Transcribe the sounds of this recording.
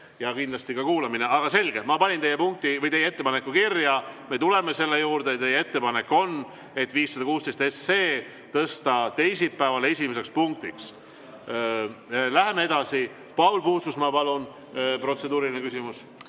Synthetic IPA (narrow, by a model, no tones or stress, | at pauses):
jɑkind̪lɑst̪ikɑkuːlɑmineʔɑɡ̥ɑse̞lɡ̥e̞mɑpɑnʲint̪ejːepuŋk̚t̪ivɤjt̪e̞jːee̞t̪ːe̞pɑne̞kːukirjɑme̞t̪ule̞me̞se̞lːe̞juːɾd̪et̪ejːee̞t̪ːe̞pɑne̞kːˑo̞n | e̞t̪ːˑviːsːɑd̪ɑkuːst̪est̪e̞sːe̞ː | t̪ɤst̪ɑt̪e̞jsipæevɑle̞sʲimese̞kspuŋk̚t̪iks | læɦe̞mee̞d̪̥ɑsi | pɑulpuːsusmɑpɑlun | pro̞t̪se̞d̪uːɾilʲinekysimus